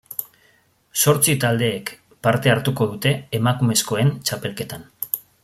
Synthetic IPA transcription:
so̞ɾt͡sit̪ald̪e̞ːk | paɾt̪e̞aɾt̪uko̞ð̞ut̪e̞ːmakume̞sko̞e̞nt͡ʃape̞lke̞t̪an

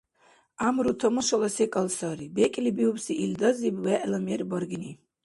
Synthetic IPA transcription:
amɾut̪ʰɔmɔʃɔlasɛkʼalsaɾibɛkʼilibiupsiʔild̪azibwɛʔlamiɛɾibɔɾɡini

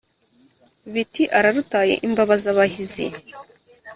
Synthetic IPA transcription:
βitiʔaɾaɾutaːjḛʔimbaβazaβahizḭ

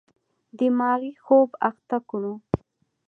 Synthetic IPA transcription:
d̪əmɑɣixobaxt̪akɽu

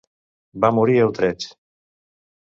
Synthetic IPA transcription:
bamuɾiewt̪ɾet͡ʃ

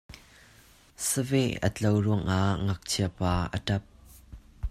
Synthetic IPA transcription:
səvɛʔə̰t͡ɬowruəŋʔaŋɐk̚t͡sʰiəɐpaːʔə̰tɐp̚

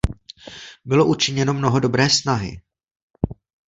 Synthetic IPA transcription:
bɪlo̞ʔut͡ʃɪɲɛno̞mno̞ɦo̞do̞bɾɛːsnaɦɪ̰

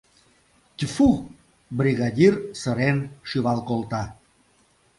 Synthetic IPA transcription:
t̪ʲfu | briɣad̪ʲirsəɾenʃyβɑlkolt̪ɑ

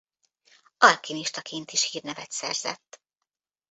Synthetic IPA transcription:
ɒlkiniʃt̪ɒkʰeːnt̪iʃhiːrnɛvɛt̪sɛ̰rz̥ɛ̰t̪ː

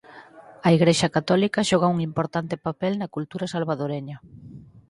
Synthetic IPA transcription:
ɐiɣɾeʃɐkat̪ɔlikɐʃɔɣ̞ouŋimpoɾt̪ant̪ɪpapɛlnɐkult̪uɾɐsalβaðoɾeɲɐ

